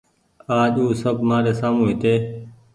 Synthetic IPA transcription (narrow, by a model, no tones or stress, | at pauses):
aːʄuːsəbʱmaːɾeːsaːmũːɦit̪eː